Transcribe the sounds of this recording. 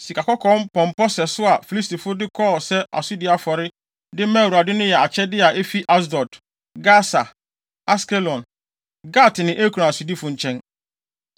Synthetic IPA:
si˨kʰa˨kɔ˦kʰɔ̃˨˦npʰɔ̃˨mpɔ˦sɛ˨sʊ˦a˨fi˨li˦s̬ti˨fʊ˦dɪ˦kʰɔː˦˨sɛ˦ʔa̰˨sʊ˦dɪ˦a˨fɔ˨ɾɪ˦ | dɪ˦mɛ̃˦˨a˨dɪ˦nʊ̃˦jɛ˨a˨t͡ɕʰɛ˦dɪ˦a˨ʔe˦fi˦ʔa˦s̬dɔ˨t | ɡa˦sa˨ | a˦skɛ˦lɔ̃˨n | ɡa˦˨tɪ˨nɪ̃˨ʔe˦kʰu˨ɾã˨a˨sʊ˨di˦fʊ˨ɲ̩˨t͡ɕʰɛ̃˦n

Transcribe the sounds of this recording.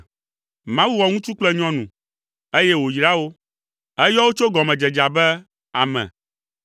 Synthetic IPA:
mã˦wu˦wɔ˨ŋũ˦t͡ʃu˦k͡plɛ˦ɲɔ̃˦nṵ̃˨ | e˦jɛ˦wo˨jɾa˦wo˦ | ɛ˦jɔ˦wo˦t͡ʃo˦ɡɔ˨mɛ̃˨d͡ʒɛ˨d͡ʒa˨bɛ˦ | a̰˨mɛ̰̃˨

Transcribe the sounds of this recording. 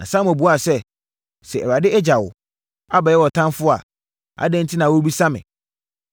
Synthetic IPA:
nã̰˨sã˦mɔ˨bu˨˦a˨sɛ˦ | sɛ˨ɛ̰˨ɾa˨dɪ˦ɛ˦d͡ʑa˨wʊ̰˨ | a˦bɛ˨jɛ˦wɔ˨tʰã˦mfʊ˦a̰˨ | a̰˨˦dɛ̃˦n˦tʰi˦nã˨wo˦bi˦sa˦mɪ̰̃˨

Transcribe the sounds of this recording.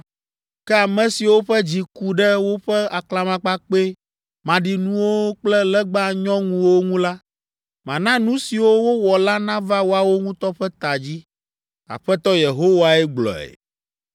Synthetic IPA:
kɛ˦a˨mɛ̃˨si˨wo˦ɸɛ˦d͡ʑi˨ku˨ɖɛ˦wo˦ɸɛ˦a˨kla˨mã˨k͡pa˦k͡pe˦ | mã˨ɖi˨nũ˦wo˦k͡plɛ˦lɛ˦ɡ͡ba˦˨ɲɔ̃˦ŋũ˦wo˦ŋũ˦la˦ | mã˨nã˦nũ˦si˨wo˦wo˦wɔ˨la˦nã˦va˦wo˦a˦wo˦ŋũ˦t̪ɔ˦ɸɛ˦t̪a˨d͡ʑi˦ | a̰˨ɸɛ˦t̪ɔ˦je˨ɦo˦wa˨ɛ˦ɡ͡blɔ̰˨ɛ̰˨

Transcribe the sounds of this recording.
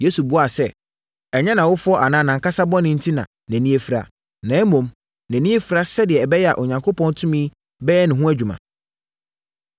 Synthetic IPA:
je˦su˨bu˦a˨sɛ˦ | ɛ˨ɲɛ̃˦nã˨wʊ˦fʊ˦ɔ˦ʔa˨nãː˨nã˨ŋka˦sa˦bɔ̃˦nɪ̃˦n̩˦tʰi˦nã̰˨ | næ̃˨nĩ˦e˦fi˨ɾa̰˨ | nãː˨˦mõ˨m | næ̃˨nĩ˦e˦fɾa˦sɛ˦dɪ˨ɛ˨bɛ˦jɛ˦a̰˨ʔo˨ɲã˨ŋkʰo˦pʰɔ̃˦n˦tʰʊ̃˦mĩ˦ | bɛ˦ɛ˦nɪ̃˨ɦʊ̃˦æ˦d͡ʑᶣu˨mã̰˨

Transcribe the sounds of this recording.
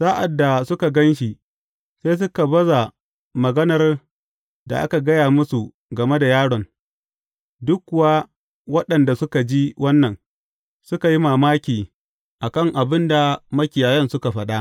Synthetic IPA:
saː˦ʔa˨dːa˨sʊ˦ka˨ɡɐ˦nʃi˨ | seː˦s̬ʊ˦ka˨bɐ˦za˨ | mɐ˨ɡɐ˦nɐ˨r | da̰˨ʔa̰˦ka˨ɡɐ˦jaː˨mʊ˦su˨ | ɡɐ˨me˦da˨jaː˦ɽɔ˨n | dʊ˦kkːʊ˨waː˦ | wɐ˦ɗɐ˨nda˨sʊ˦ka˨d͡ʒi˦wʔɐ˦nːɐ˨n | sʊ˦ka˨ji˦maː˨maː˦kʲiː˨ | ʔa˨kɐ˦˨ŋʔa˨bɪ˦nda˨mɐ˦kʲɪ˨jaː˨jɛ˦nsʊ˦ka˨ɸɐ˦ɗa˦

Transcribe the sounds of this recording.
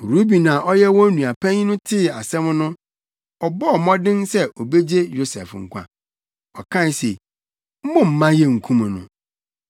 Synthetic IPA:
ɾu˦bi˨nã˨ʔɔ˦jɛ˦wɔ̃˦nũ˨a˨pʰɛ̃˦ɲ˦nʊ̃˦tʰɪ˦˨a˨sɛ̃˦m˦nʊ̃˦ | ɔ˨bɔ˦˨mɔ̃˦dɪ̃˦nsɛ˦ʔo˨be˦d͡ʑe˦jo˦sɛ̰˨fŋ̩˨kʷʰã̰˨ | ɔ˨kʰã˦˨n˨se˨ | m̩˦mʊ̃˨m̩˨mã˦jɛ˦ŋ̩˨kʰũ˦mã˨nʊ̰̃˨

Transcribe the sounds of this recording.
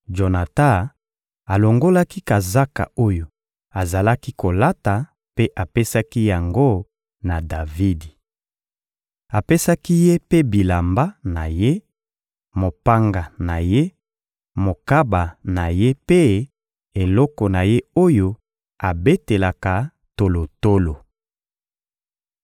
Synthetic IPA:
ʒo˨na˨ta˦ | a˨lo˨ŋɡo˦la˦ki˦ka˨za˦ka̰˨o˦jo˨ | a˨za˨la˦ki˦ko˨la˦ta˨ | pe˦ʔa˨pe˦sa˦ki˦ja˨ŋɡo˦ | na˨da˨vi˦di˨ | a˨pe˦sa˦ki˦je˦pe˦bi˨la˨mba˦na˨je˦ | mo˨pa˦ŋɡa˨na˨je˦ | mo˨ka˦ba˨na˨je˦pe˦ | e˨lɔ˦kɔ˨na˨je˦o˦jo˦ | a˨be˦te˨la˨ka˨ | to˨lo˨to˦lo˨

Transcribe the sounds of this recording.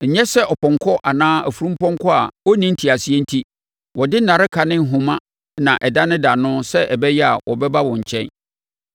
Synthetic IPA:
ɲ̩˨ɲɛ̃˦sɛ˦ʔɔ˨pɔ̃˨ŋkʰɔ˦ʔa˨nãː˦æ˨fu˨ɾũ˦mpɔ̃˦ŋ˦kʰɔ˦a̰˨ɔ˦nĩ˦n̩˦tʰi˨a˨sɪ˨ɛ˦n̩˦tʰi˦ | wɔ˨dɪ˦nã˨ɾɪ˦kʰa˨nɪ̃˦ŋ̩˨ɦũ˨mã˦ | nã˨ʔɛ˨da˦nɪ̃˦da˨nʊ̃˦sɛ˦ʔɛ˨bɛ˦jɛ˦a̰˨wʔɔ˨bɛ˦ba˦wɔ̃˨ɲ̩˨t͡ɕʰɛ̰̃˦n

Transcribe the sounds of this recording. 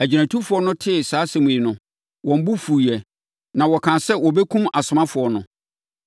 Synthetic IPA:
æ˨d͡ʑi˨næ̃˨tʰu˦fʊ˨ɔ˦nʊ̃˦tʰɪ˦˨saː˨˦se˨mũ˨nʊ̃˨ | wɔ̃˨m̩˦bʊ˦fu˨i˨ɛ˨ | nã˨wɔ˨kʰã˨sɛ˦wɔ˨bɛ˦kʰũ˦ma˨sʊ˨mã˦fʊ˨ɔ˨nʊ̰̃˨

